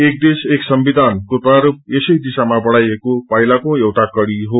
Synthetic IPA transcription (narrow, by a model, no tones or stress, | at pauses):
ek̚d̪eseksʌmbid̪ʱankopaɾup̚esʌjd̪isamabʌɽajekopʌɦilakoewʈakʌɽiɦo